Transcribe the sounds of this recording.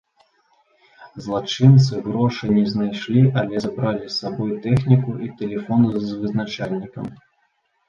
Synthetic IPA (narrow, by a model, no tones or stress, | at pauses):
zlˠat͡ʂɨnt̪sɨɣɾɔʂɨnʲɛznajʂlʲiʔɐlʲɛzabɾalʲisabɔjt̪ɛxnʲikuʔit̪ɛlʲɛfɔnɨzvɨznat͡ʂalʲnʲikɐ̰m